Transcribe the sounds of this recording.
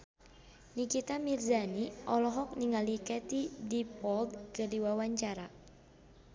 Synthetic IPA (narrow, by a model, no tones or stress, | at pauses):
nikit̪amirzaniʔɔlɔɦɔk̚niŋalikɛt̪idipɔld̪̚kərdiwawaɲt͡ʃaɾa